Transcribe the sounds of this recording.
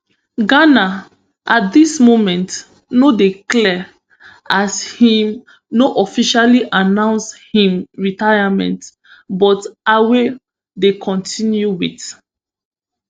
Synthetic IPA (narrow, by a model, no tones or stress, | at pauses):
ɡana | ʔat̚dismomɛ̃nt | nodeklɛ | ashĩm | noʔɔfiʃaliʔanãʊ̃nshĩmɹitajamɛ̰̃nt | bɔtawe | dekʰɔ̃ntʰĩnjuwit